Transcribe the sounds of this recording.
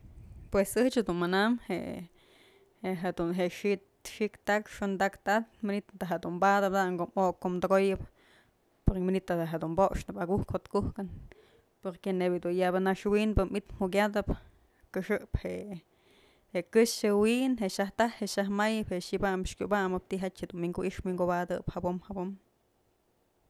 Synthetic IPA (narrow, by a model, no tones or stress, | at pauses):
pwesɨht͡ʃhad̪unmanamhḛ | eɦad̪unɦeʔʂit̪ | ʂikt̪akʂond̪akt̪at̪minit̪t̪aɦad̪umbad̪ɨp̚d̪ŋkoʔmoʔkːomd̪oɡojɨp | poɾminit̪ːad̪aɦad̪umboʔʂnɨpaɡuhkhot̪kuhkɨn | poɾkenebjɨd̪unjabɨnaʂwinbɨmit̪m̥uk̬ʲad̪ɨp | kɨʂɨʔpheʔ | heʔkɨʃɨwiʔnɦeʔʃaht̪ahheʔʃahmajɨpheʔʃibamʂkʲubamɨp̚t̪iʔɦat͡ʃhed̪unwiŋɡuʔiʔʂmwiŋɡobad̪ɨphabomhabom